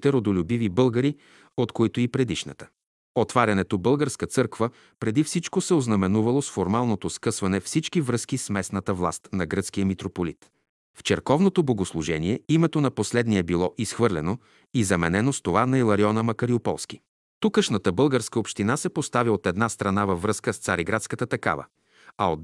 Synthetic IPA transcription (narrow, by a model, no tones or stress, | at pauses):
t̪ɛɾod̪olʲʊbivibɤlˠɡəɾi | ot̪koit̪oipɾɛd̪iʃnə̰t̪ə̥ | ot̪vaɾʲɐnɛt̪obɤlˠɡəɾskət̪sɤɾkvə | pɾɛd̪ifsit͡ʃkosɛoznɐmɛnuvɐlˠosfoɾmalˠnot̪oskɤsvɐnɛfsit͡ʃkivɾɤskismɛsnət̪əvlˠa̰st̪nɐɡɾɤt̪skijəmit̪ɾopolit̪ | ft͡ʃɛɾkɔvnot̪oboɡoslˠuʒɛniɛimɛt̪onɐposlɛd̪niɛbilˠɔʔisxvɤɾlʲɛno | izɐmɛnɛnost̪ovanɐilˠɐɾiɔnəmɐkɐɾiopɔ̰lˠsk̟i | t̪ukəʃnət̪əbɤlˠɡəɾskəopʃt̪inasɛpost̪aviot̪ɛd̪nast̪ɾɐnavɐvːɾɤskəst̪saɾiɡɾat̪skət̪ət̪ɐka̰və̰ | ɐot̪